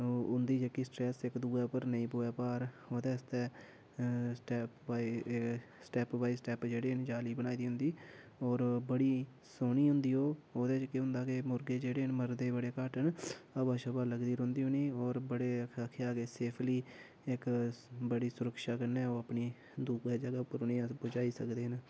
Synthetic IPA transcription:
ʊnd̪iːd͡ʒəkːiːsʈɾɛːsɪkd̪uːɛːpəɾnəĩːpoːɛːpaːɾ | oːd̪ɛːst̪ɛː | sʈɛːpbaːi | sʈɛːpʋaːiːsʈɛːpd͡ʒeːɽeːnd͡ʒaːliːbəñaːid̪iːɦʊ̃nd̪iː | ɔːɾbəɽiː | soːniːɦʊ̃nd̪iːɦoːoːd̪eːt͡ʃkeɦʊ̃nd̪aːkeːmʊɾɡeːd͡ʒeːɽeːnməɾd̪eːbəɽeːkaːʈənəbaːʃəbaːləɡd̪iːɾõːnd̪iːoːniːɔːɾbəɽeːaːkʰeaːɡeːseːpʰliː | ɪkbəɽiːsʊɾəkʃaːkənɛ̃ːoːəpniː | d̪uːkɛːd͡ʒəɡaːpːəɾʊniːãbʊd͡ʒaːiːsəkd̪eːn

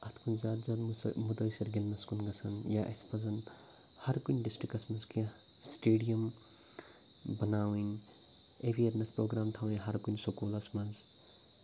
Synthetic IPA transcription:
ɐt̪ʰkʰunzaːt̪zɐd̪mud̪ojsɐɾɡilnɐskunɡɐt͡sʰɐnjaʔɐ̰spɐzɐn | hɐɾkunʲɖisʈɾikɐsmɐzkʰi | sʈeːɖijɐm | bɐnaːwin | ebieɾnɐspɾoːɡɾaːmt̪ʰawinʲɦɐɾkunsokuːlɐsmɐz

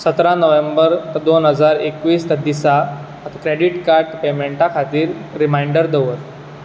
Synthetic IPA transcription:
sət̪ɾanəʋembəɾt̪əd̪onɦəd͡zaɾekʋiːst̪əd̪isa | ət̪akɾeɽiʈkaɾʈpemeɳʈakʰat̪iːɾːimaiɳɖəɾd̪əʋət̪

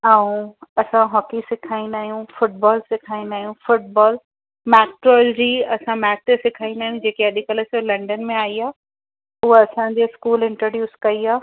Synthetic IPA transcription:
aːũɐsãɦɔːkisɪkʰaːĩnd̪aːɦijũfʊʈ̚bɔːlsɪkʰaːĩnd̪aːɦijũfʊʈ̚bɔːl | mɛːk̚ʈɾɔːld͡ʑiːɐsãmɛːk̚t̪esɪkʰaːĩnd̪aːɦijũd͡ʑeːkeɐɗʱɪkələslɐ̃ɳɖənmẽaːiaː | ʊɦoɐsãɲd͡ʑeskuːlɪ̃ɳʈəɾɖjuːskɐiaː

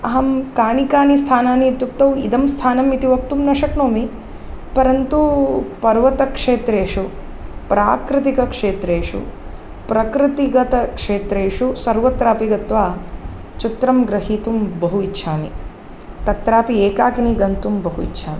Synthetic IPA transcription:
ɐɦɐmkaːnikaːnist̪ʰaːnaːnit̪juk̚t̪ɐwid̪ɐmst̪ʰaːnɐmit̪iʋɐk̚t̪umnɐʃɐknoːmi | pɐɾɐnt̪upɐɾʋɐt̪ɐkʂeːt̪ɾeːʂu | pɾaːkɾɪt̪ikɐkʂeːt̪ɾeːʂṵ | pɾɐkɾɪt̪iɡɐt̪ɐkʂeːt̪ɾeːʂusɐɾʋɐt̪ɾaːpiɡɐt̪ʋaː | t͡ʃit̪ɾɐmɡɾɐɦiːt̪umbɐɦuitːʃʰaːnḭ | t̪ɐt̪ɾaːpieːkaːkiniɡɐnt̪umbɐɦuḭtːʃʰaːmḭ

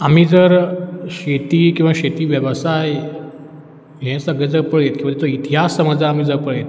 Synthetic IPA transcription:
am̤iːd͡zəɾɕet̪iːkĩw̃ʋaɕet̪iːʋjəʋəsaj | ɦɛ̃səɡɭɛd͡zəɾpəɭjet̪̚kĩʋ̤əaet̪oit̪iɦasːəməd͡zaːm̤iːd͡zəɾpəɭjet̪

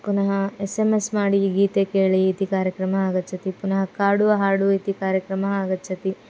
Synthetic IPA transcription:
punɐɦɐesemesmaːɽiɡiːt̪eːkeːɭiːt̪ikaːɾjɐkɾɐmɐaːɡɐtːt͡ʃʰːɐt̪ipunɐɦɐkaːɽuɐɦaːɽuit̪ikaːɾjɐkɾɐmɐɦaːɡɐt͡ʃːɐt̪i

